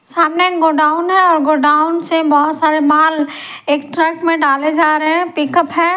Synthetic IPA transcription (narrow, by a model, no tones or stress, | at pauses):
saːmneɡoːɖaːʊnɦɛ̃ɔːɾɡoːɖaːʊnsebɔɦʊt̪saːɾemaːl | eːkʈɾəkmẽɖaːled͡ʒaːɾəɦɛ̃pɪkəpɦɛ̃ː